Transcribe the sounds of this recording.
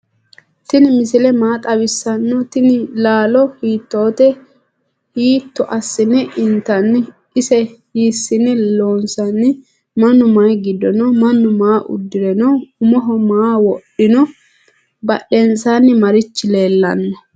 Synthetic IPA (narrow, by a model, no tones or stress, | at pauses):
t̪ɪnɪmɪsɪlɛmaːt̪ʼɐbɪsːɐnːɔt̪ɪnɪlaːlɔhiːt̪ːoːt̪ɛ | hiːt̪ːɔʔɐsːɪnɛʔɪnt̪ːɐnːɪ | ɪsɛhiːsːɪnɛloːnsɐnːɪ | mɐnːʊmɐjɡɪd̪ɔnɔmɐnːʊmaːʔʊ̰d̪ːɪɾɛnɔʊmɔɦɔmaːwɔɗɪnɔ | bɐɗɛnsanːɪmɐɾɪt͡ʃːɪle̞ːlːɐ̰nːɔ